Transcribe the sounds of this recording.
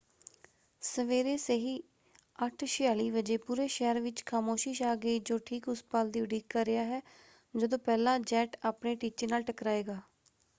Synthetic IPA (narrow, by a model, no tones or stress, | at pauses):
səʋeːɾeːseɦiː | əʈʰʃɪjaːliːʋəd͡ʒeːpuːɾeːʃɛːəɾʋɪt͡ʃkʰaːmoːʃiːʃaːɡeiːd͡ʒoːʈʰiːkʊspaːld̪iːʊɖiːkːəɾːɪjaːɦɛː | d͡ʒəd̪õːpɛːlãːd͡ʒɛːʈaːpneːʈiːt͡ʃeːnaːlʈəkɾaːeːɡaː